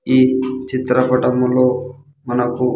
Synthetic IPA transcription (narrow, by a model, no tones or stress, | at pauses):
iːt͡ʃit̪ɾɐpɐʈɐmlo̞ː | mɐnɐku